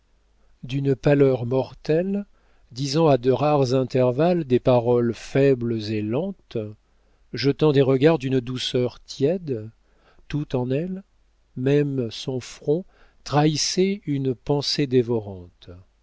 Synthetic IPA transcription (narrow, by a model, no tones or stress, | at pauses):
d̪ynpalœʁmɔʁt̪ɛl | d̪izɑ̃ad̪əʁaʁzɛ̃t̪ɛʁvald̪epaʁɔlfɛblzelɑ̃t̪ | ʒət̪ɑ̃d̪eʁəɡaʁd̪ynd̪usœʁt̪jɛd̪ | t̪ut̪ɑ̃nɛl | mɛmsɔ̃fχɔ̃ | t̪χaisɛynpɑ̃sed̪evɔʁɑ̃t̪